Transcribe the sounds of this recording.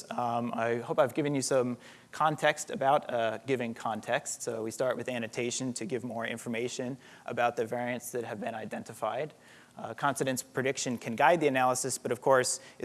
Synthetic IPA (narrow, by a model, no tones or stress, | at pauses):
a̰ɪhoʊpaɪvɡɪvɨ̃njɨsʌ̃m | kʰɑ̃ntʰɛkstɨbaʊt̚ɡ̥ɪvɪ̃ŋkʰɑ̃ntʰɛkstsoʊwistɑɹʔ̚wɨðæñɨtʰeɪʃɨ̃ntʰɨɡɪvmɔɹɪ̰̃ɱfə˞meɪʃɨ̃n | ʔə̰baʊt̪̚ðɨvɛɹiɨ̃ntsðɨt̚hɨvbɨ̃ñaɪdɛ̃ntɨfaɪd̚ | kʰɑ̃nfɨɾɨ̃nspʰɹ̥ɨdɪkʃɨ̃nkʰɨ̃nɡaɪd̪̚ðiɨnælˠəsɨsb̥ʌɾʌv̥kʰɔɹs